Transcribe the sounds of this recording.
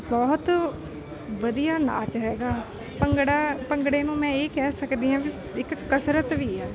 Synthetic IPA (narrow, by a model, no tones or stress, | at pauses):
bɔːt̪ | ʋəd̪ijaːna̰ːt͡ʃɦɛːɡaː | pəŋɡɽaːpəŋɡɽeːnũːmɛ̃ːeːkɛːsəkd̪iːɦãːʋi | ɪkːəsɾət̪ʋiːɛː